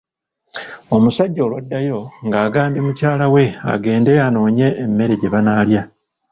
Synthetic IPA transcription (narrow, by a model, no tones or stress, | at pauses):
o̞musaɟːo̞ːlwadːajo̞ŋɡaːɡaːmbimucaːlawe̞a̰ɡe̞ːnde̞ano̞ːɲe̞ːmːe̞ɾeɟe̞βanaːlja